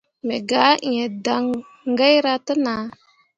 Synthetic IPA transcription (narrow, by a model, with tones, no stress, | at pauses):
me˨ɡa˦˨ɲe˨da˨ŋ | ŋɡa˦jɾa˦ta˦na˨